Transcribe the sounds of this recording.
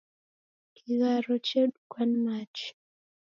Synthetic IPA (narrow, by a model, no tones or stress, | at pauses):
kiɣaɾɔt͡ʃeɗukwanmat͡ʃ